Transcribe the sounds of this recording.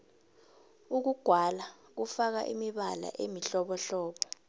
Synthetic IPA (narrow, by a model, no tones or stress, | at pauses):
uk̬uɡ̥ʱwala | k̬ufak̬a̰ʔimiɓala̰ʔemiɬɔɓɔɬɔːɓɔ